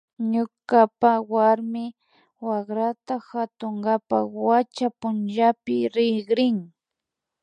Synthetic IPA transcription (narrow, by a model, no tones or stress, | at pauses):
ɲʊkapawaɾmɪ | waχɾat̪axat̪oŋɢapa̰wat͡ʃapʊnʒapɪɾɪɡɾɪŋ